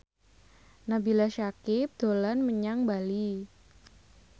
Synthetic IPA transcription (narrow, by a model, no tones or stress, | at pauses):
nabilaʃakɪp̚d̪̥olanməɲaŋbali